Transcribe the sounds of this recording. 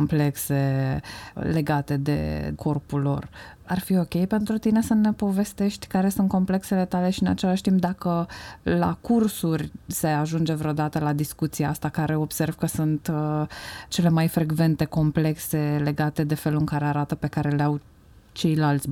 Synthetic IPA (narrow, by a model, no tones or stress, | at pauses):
omple̞kse̞ | le̞ɡat̪e̞d̪ḛkʰo̞rpulːo̞̰rarfio̞kʲe̞jpe̞nt̪ɾut̪ine̞səne̞po̞ve̞st̪e̞ʃt̪ʲkaɾe̞sunt̪̚ko̞mple̞kse̞le̞t̪ale̞ʃiɨnat͡ʃe̞laʃt̪imp̚d̪akəla̰kursurʲse̞aʒund͡ʒe̞vɾeod̪at̪əlad̪iskut̪siaast̪akaɾe̞o̞b̥se̞rv̥kəsunt̪ | t͡ʃe̞le̞majfɾeɡve̞nt̪e̞ko̞mple̞kse̞le̞ɡat̪e̞d̪e̞fe̞luɨŋkaɾe̞aɾat̪əpe̞kaɾe̞leaw | t͡ʃe̞jlalt̪sʲ